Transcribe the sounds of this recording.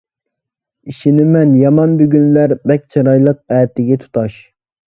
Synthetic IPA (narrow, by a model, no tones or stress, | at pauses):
iʃinɪmɛnjɑmɑnbyɡʲynlæɾbɛk̚ʲt͡ʃʰɑɾɑjlˠəq̚ɛːt̪ʰɪɡʲɛt̪ʰu̥t̪ʰɑʃ